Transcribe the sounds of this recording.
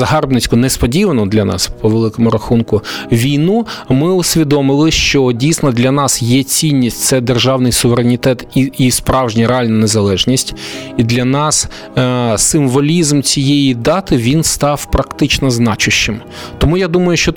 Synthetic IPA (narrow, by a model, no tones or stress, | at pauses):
zɐɦɑrbnɪt͡sʲkʊnespɔdʲiʋɐnɔd̪lʲɐnɑ̰spɔʋelˠɪkɔmʊɾɐxunkʊʋʲijnumɪʊsʲʋʲid̪ɔmɪlˠɪʃt͡ʃɔdʲijsnɔd̪lʲɐnɑsjɛt͡sʲinʲːisʲtʲt̪sɛd̪erʒɑwnɪjsʊʋeɾenʲit̪ɛt̪iispɾɑwʒnʲiɾeɑlʲnɐnezɐlˠɛʒnʲisʲtʲid̪lʲɐnɑs | sɪmʋɔlʲizmt͡sʲijɛjid̪ɑt̪ɪʋʲinst̪ɑwpɾɐkt̪ɪt͡ʃnɔznɑt͡ʃʊʃːɪm | t̪ɔmujad̪umɐjʊʃt͡ʃɔ